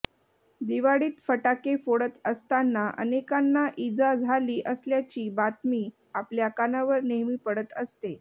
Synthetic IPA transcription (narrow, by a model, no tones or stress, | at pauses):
d̪iʋaɽiːt̪fəʈakefoɽət̪əst̪anːaʔə̰nekanːaʔid͡zad͡zʱaliːʔəsljat͡ɕiːbat̪miː | apljakanaʋəɾneɦmiːpəɽət̪əst̪e